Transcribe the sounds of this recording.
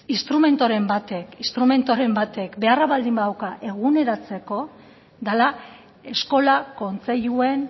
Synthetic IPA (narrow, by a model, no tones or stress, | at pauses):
inst̪ɾume̞nt̪oɾe̞mbat̪e̞kist̪ɾume̞nt̪oɾe̞mbat̪e̞kbe̞araβald̪imbaðawkaʔe̞ɣ̞une̞ɾat͡se̞ko̞ | d̪ala | e̞sko̞lako̞nt͡seʎue̞n